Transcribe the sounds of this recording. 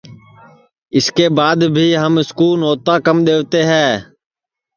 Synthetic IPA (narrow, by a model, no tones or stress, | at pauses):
ɪskeːbaːd̪bʱiːɦəmɪskuːnoːt̪aːkəmɗ̪eːʋt̪eːɦɛ̃ː